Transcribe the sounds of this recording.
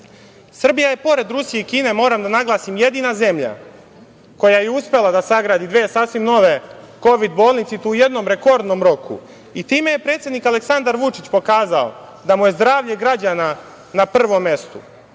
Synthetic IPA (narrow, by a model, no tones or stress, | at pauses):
sr̩bijaje̞po̞ɾe̞d̪ɾusije̞ikiːne̞mo̞ːɾamd̪anaɡlˠaːsimje̞d̪iːnaze̞mʎa̰ | ko̞jajeuspe̞lˠad̪asaɡɾaːd̪id̪ʋeːsaːsʋimno̞ʋe̞ | ko̞ʋid̪bo̞ːlˠnit̪sit̪uuje̞d̪no̞mɾe̞ko̞ɾd̪no̞mɾo̞kṵ | it̪iːmeje̞pɾe̞t̪sje̞d̪nikale̞ksand̪aɾʋut͡ʃit͡ɕpo̞kaːzao̰ | d̪amuje̞zd̪ɾaːʋʎe̞ɡɾad͡ʑana | napr̩rːʋo̞mːe̞st̪ṵ